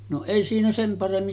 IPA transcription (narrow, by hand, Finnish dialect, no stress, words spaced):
no eˑi siːnæ sem pɑremːin